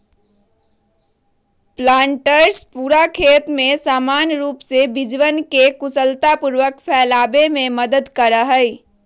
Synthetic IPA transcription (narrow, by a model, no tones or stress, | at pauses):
plaːɳʈəɾspuɾakʰeːt̪mesaːmaːnɾuːpsebid͡ʒʋənkekusəlt̪apuɾʋəkpʰɛːlaːbemẽməd̪əd̪kəɾəɦəj